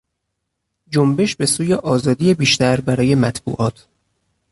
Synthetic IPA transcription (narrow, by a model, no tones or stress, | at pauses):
d͡ʒombe̞ʃbe̞suːjeʔɒːzɒːd̪ijebiːʃt̪æɾbæɾɒːje̞mæt̪ʰb̥ṵːʔɒːt̪ʰ